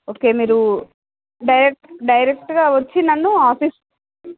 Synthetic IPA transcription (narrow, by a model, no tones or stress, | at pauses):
oːke̞ːmiːɾu | ɖɐjɾek̚ʈɖɐjɾek̚ʈɡaːʋɐt͡ʃːinɐnːuaːpiːs